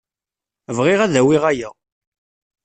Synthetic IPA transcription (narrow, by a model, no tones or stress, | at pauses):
vʁɪʁæðæwiʁæjæ